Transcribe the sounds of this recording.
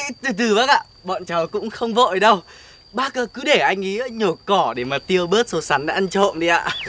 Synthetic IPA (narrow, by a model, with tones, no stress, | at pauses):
t̪ɨ˨˧˩t̪ɨ˨˩ɓaː˦˥k̚ʔa̰ː˧˨ | ɓɔ̰˧˨nt͡ɕa˨˦wkʊ̰˧˥ŋ͡mxə˧wŋ͡mvə̰˧˨jɗə˧w | ɓaː˦˥k̚əː˧˩kɨ˨˦ɗe˧˩ʔa˧jŋ̟ʔi˨˦ʔəː˨˦ɲo˨˩kɔ˧˩ɗe˧˩maː˨˩t̪i˧ə˧wɓəː˦˥t̚so˨˧sa˨˦na̰ː˨˧˦ʔa˧nt͡ɕo̰˧˨nzi˨˧˩ʔa̰ː˧˨